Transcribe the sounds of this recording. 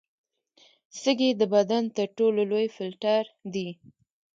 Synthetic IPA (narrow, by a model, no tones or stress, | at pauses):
səɡed̪əbad̪ant̪əɾʈololojfɪlʈaɾd̪i